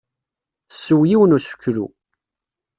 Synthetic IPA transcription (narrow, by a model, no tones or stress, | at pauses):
θəsːəwjiwənuʃə̥kːɾṵ